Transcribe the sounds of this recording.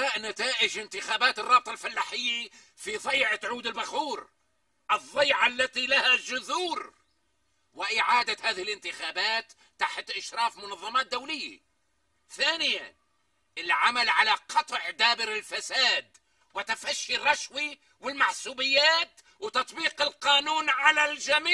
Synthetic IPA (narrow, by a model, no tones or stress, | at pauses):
aːʔnat̪aːʔɪd͡ʒɪnt̪ɪxaːbaːt̪ɨrˤːɑːb̚t̪ˤɑlfalːaħɪjːa | fiðˤɑjʕat̪ʕuːd̪ɪlbaxuːɾ | ʔɨðˤːɑjʕalːat̪ilahaʒʊðuːɾ | wɪʔɪʕaːd̪ahaːðɪhɪlʔɪnt̪ɪxaːbaːt̪ːaħt̪ʔɪʃɾˤɑːfmʊnɑðˤːɑmaːt̪̚d̪awlɪjːa̰ | θaːnɪja | ʔɪlʕamalʕalaqʰɑt̪ˤʕd̪aːbɪɾɪlfasaːd̪ | wɪt̪afaʃːirˤːɑʃwi | wɪlmaħsuːbɪjːaːt̪ | wɪt̪ɑt̪ˤbiːqɪlqɑːnuːnʕalald͡ʒamiː